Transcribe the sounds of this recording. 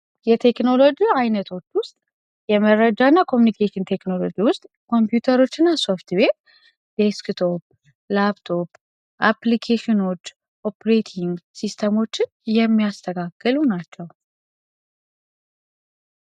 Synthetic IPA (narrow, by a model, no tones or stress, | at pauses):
jɛt̪ʰe̞kno̞lo̞d͡ʒiajnət̪ʰo̞t͡ʃːwʊst̪ʼ | jɛməɾəd͡ʒanːakʰo̞mjunikʰeʃɪnt̪ʰe̞kno̞lo̞̰d͡ʒiwʊst̪ʼ | kʰo̞mpjut̪ʰəɾo̞t͡ʃːɨnːaso̞ft̪ʰbet̪ | d̪eskt̪ʰo̞p̚ | lapt̪ʰo̞p | ʔaplikʰeʃino̞t͡ʃː | ʔo̞pʰɾet̪ʰiŋɡsist̪ʰəmo̞t͡ʃːɪnjɛmːijast̪ʰəkʰaɡːɨlunat͡ʃːɛw